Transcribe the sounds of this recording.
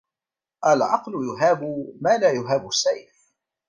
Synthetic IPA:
ʔalʕɑqlʊjʊɦaːbʊmaːlaːjʊɦaːbʊsːaj

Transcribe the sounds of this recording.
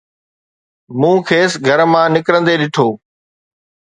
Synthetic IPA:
mũːkʰeːsɡʱəɾmãːnɪkɾə̃nd̪eːɗɪʈʰoː

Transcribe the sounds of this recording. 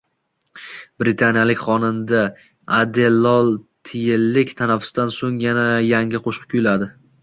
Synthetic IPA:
b̥ɾɪt̪ʰanjalɪkʲχɒnɪnd̪a | ad̪elːɒlˠt̪ʰɪjɪlːɪkʲt̪ʰanafʊ̥sd̪ansoŋjanajaŋʲɪqʰoʃqʰkʰʲʊjlad̪ɪ

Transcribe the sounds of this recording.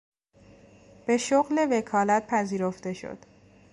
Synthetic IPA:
b̥e̞ʃoɣle̞vekʰɒːlæt̪̚pʰæziːɾoft̪e̞ʃo̰d̪̥

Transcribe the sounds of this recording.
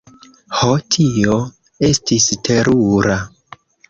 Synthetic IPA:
hotʰio | e̞stistʰe̞ɾuɾa

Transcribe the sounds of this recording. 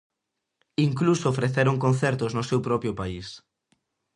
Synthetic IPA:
iŋklusoːfɾeθeɾoŋkõnθeɾt̪ʊznʊsewpɾɔpɾjopais

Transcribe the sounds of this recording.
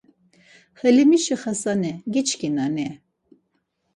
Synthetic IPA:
χɛlimiʃiχɐsanɛɡit͡ʃʰkinanɛ

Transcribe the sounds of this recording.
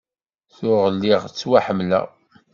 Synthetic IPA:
θʊʁəlːɪʁt͡sːwaħəmlæ̰

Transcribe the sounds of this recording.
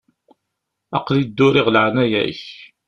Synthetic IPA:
ɑqlid̪ːʊɾiʁlʕɾnæjæ̰ç

